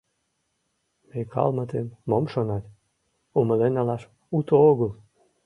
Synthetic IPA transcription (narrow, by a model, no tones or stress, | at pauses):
mejkʰɑ̰lˠmət̪enmomʃonɑt̪ʲ | uməlenɑlɑʃ | ut̪ooɣəl